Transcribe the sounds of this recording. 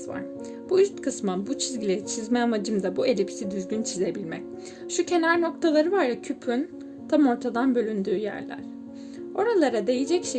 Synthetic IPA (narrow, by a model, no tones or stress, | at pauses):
va̰ɾ̥ | b̥uyst̪kʰɯsmanbut͡ʃʰizɟilʲeit͡ʃʰizmɛamad͡ʒɯmd̪abue̞lʲipʰi̥sid̪yzɟynt͡ʃʰize̞bilʲmɛc | ʃucʰe̞naɾno̞k̚t̪ʰalˠaɾɯvaɾvacʰypʰyn | t̪ʰamo̞ɾt̪ʰad̪anbø̞lʲynd̪yːjæ̰ɾlʲæ̰ɾ̥ | o̞ɾalˠaɾad̪e̞jed͡ʒɛcʃe